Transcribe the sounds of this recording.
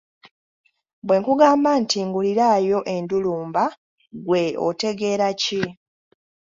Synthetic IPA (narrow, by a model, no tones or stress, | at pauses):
bwe̞ŋkuɡaːmbantiːŋɡuliɾaːjo̞ʔe̞nduluːmba | ɡwe̞o̰te̞ɡe̞ɾaci